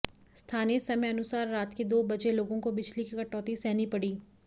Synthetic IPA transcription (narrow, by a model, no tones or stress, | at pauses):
st̪ʰaːniesɐmeɐnʊsaːɾːaːt̪ked̪oːbɐd͡ʒeloːɡõkobɪt͡ʃʰlikikɐʈɔːt̪isɛːnipɐɽiː